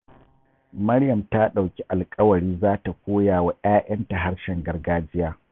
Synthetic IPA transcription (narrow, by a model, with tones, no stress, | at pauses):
mɐ˦ɾjɐ˨mta˦ɗa˨wkʲi˦ʔa˨lkʼɐ˦wɐ˨ɽiː˦zaː˦ta˨kʷoː˦jaː˨wa˦ʔaː˦ʔɐ˦nta˨ɦa˦ɽʃɛ˨ŋɡɐ˦rɡaː˦d͡ʒɪ˦jaː˦